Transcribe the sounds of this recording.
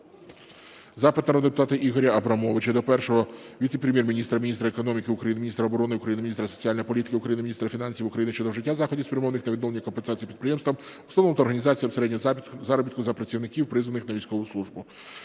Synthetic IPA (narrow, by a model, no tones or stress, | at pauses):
zɑpɪt̪nɐɔd̪id̪epʊt̪ɑt̪ɪʔiɦɔɾʲɐɐbɾɐmɔʋɪt͡ʃɐd̪ɔpɛrʃɔɦɔʋʲit̪sepɾʲemjɛrmʲinʲist̪ɾɐmʲinʲist̪ɾɐekɔnɔmʲikɪʊkɾɐjinɪmʲinʲist̪ɾɐɔbɔɾɔnɪʊkɾɐjinɪmʲinʲisɾɐsɔ̥t͡sʲiɑlʲnjipɔlʲit̪ɪ̥kɪʊkɾɐjinɪmʲnʲist̪ɾɐfʲinɑnʲsʲiʋʊkɾɐjinɪʃt͡ʃɔd̪ɔʒɪtʲːazɑxɔdʲispɾʲjɐmɔʋnɪxnɐʋʲd̪ɔlˠenʲikɔnpensɑt͡sʲijipʲid̪̚pɾɪjɛmst̪ʋɐm | ɔsɔʋnɔmt̪ɔɾɦɐnʲizɑt͡sʲijɐwseɾɛdʲnʲɔzɑɾɔbit̪kʊzɐpɾɐt͡sʲiʋwnɪkʲiwpɾɪzʋɐnɪxnɐʋʲijsʲkɔʋʊslˠuʒbʊ